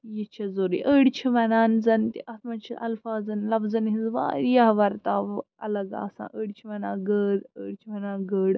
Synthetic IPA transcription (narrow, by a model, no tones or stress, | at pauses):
jit͡ʃʰɐzoɾiʔəːɽt͡ʃʰiʋɐnaːnzɐnt̪iʔɐt̪mɐt͡ʃʰiʔɐlfaːzɐnlɐfzɐnɦĩnzʋa̰ːɾijaɦʋɐɾt̪aːʋ | ɐlɐɡa̰ːsã̰ːʔəːɽt͡ʃʰiʋɐnãːɡəːɽəːɽt͡ʃʰiʋɐnaːɡəːɽ